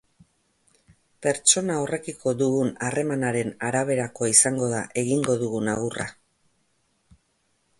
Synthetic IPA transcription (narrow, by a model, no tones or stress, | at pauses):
pe̞ɾt͡ʃo̞naore̞kikʰo̞ðuɣunare̞manaɾe̞naɾaβ̞e̞ɾako̞aisaŋɡo̞ðaʔe̞ɣiŋɡo̞ðuɣunaɣura̰